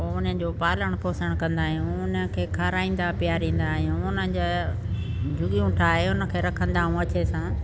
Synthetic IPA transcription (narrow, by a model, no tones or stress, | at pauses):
oʊnəd͡ʑoːpaːləɽ̃poːsəɽ̃kɐ̃nd̪aːɦjũʊnəkʰeːkʰaːɾaːĩːn̆d̪apɪjaːɾĩːn̆d̪ãũʊnəd͡ʑaː | d͡ʑʱʊɠijũʈʰaːɦeʊnə̆kʰeːɾɐkʰə̃nd̪aːɦũɐt͡ɕesãː